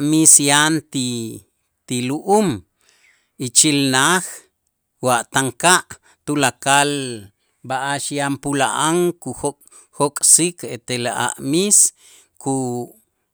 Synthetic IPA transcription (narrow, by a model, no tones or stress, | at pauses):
ʔmisjant̪i | t̪iluʔum | it͡ʃilnax | waʔt̪aŋkaʔ | t̪ulakal | baʔaʃjampula̰ʔaŋkuxo | xokʼsikʰet̪elaʔa̰ʔmis | kʰu